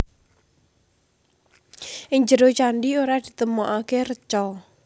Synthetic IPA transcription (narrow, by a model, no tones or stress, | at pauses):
ʔɪŋd͡ʒəɾot͡ʃaɳɖioɾad̪̥i̤̥t̪əmɔʔakerət͡ʃɔ